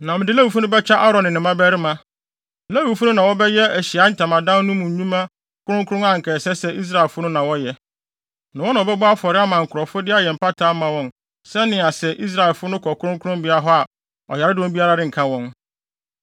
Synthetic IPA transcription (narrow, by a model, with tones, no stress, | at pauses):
nã˨mɪ̃˨dɪ˦la˦wu˨fu˦nʊ̃˦bɛ˦t͡ɕʰa˦ʔa˦ɾɔ̃˨nɪ̃˨nɪ̃˨mã˦bæ˦ɾɪ˦mã˦˨ | læ˦wu˨fu˦nʊ̃˦nã˨wɔ˦bɛ˦jɛ˦æ˨ɕi˨a˨˦n̩˦tʰã˨mã˨dã˦n˦nʊ̃˦mʊ̃˨ɲ̩˨ɲũ˦mã˦ | kʰʊ˦ɾʊ̃˦ŋkʰʊ˦ɾʊ̃˦ŋã˦˨ŋ̩˨kʰɛ˨sɛ˦sɛ˦ʔi˦s̬ɾa˨ɛ˨lfʊ˦nʊ̃˦nã˨wɔ˦jɛ˨ | nã˨wɔ̃˦nã˨ɔ˨bɛ˦ba˦fɔ˨ɾɪ˦a˦mã˨ŋ̩˨kʰʊ˨ɾɔ˨fʊ˦dɪ˦a˦jɛ˨m̩˨pa˦tʰaː˦mã˨wɔ̃˦n | sɛ˦nɪ̃˨a˨sɛ˨ʔi˦s̬ɾa˨ɛ˨lfʊ˦nʊ̃˦kʰɔ˨kʰʊ˦ʊ̃˦ŋkʰʊ˦ɾʊ̃˦mbɪ˦a˦ɾa˦ɦɔ˦a˨ | ɔ̰˨jɛ˨ɾɪ˦dwɔ̃˦mbi˦a˦ɾa˦ɾɪ˦˨ŋ̩˨kʰã˦wɔ̃˦n